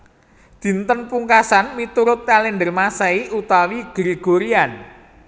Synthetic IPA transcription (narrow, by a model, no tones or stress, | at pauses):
d̪̥i̤nt̪ənpuŋkasanmit̪uɾʊt̪̚ːalendərmasɛiʔut̪awiɡ̥ɾeɡ̥o̤ɾian